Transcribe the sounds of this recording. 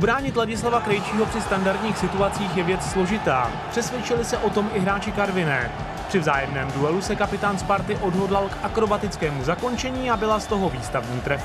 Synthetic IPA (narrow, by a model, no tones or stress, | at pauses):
ubɾaːɲɪt̪laɟɪslavakɾɛjt͡ʃiːɦo̞pr̥ɪst̪andaɾd̪ɲiːxsɪt̪uat͡siːxjɛvjɛt͡sslo̞ʒɪt̪a̰ː | r̥ɛsvjɛt͡ʃɪlɪsɛʔo̞t̪o̞mʔɪɦɾaːt͡ʃɪkaɾvɪnɛ̰ː | pr̥ɪvzaːjɛmnɛːmduɛlusɛkapɪt̪aːnspaɾt̪ɪʔo̞dɦo̞dlalkʔakɾo̞bat̪ɪt͡skɛːmuzako̞nt͡ʃɛɲiːabɪlast̪o̞ɦo̞viːst̪avɲiːt̪ɾɛf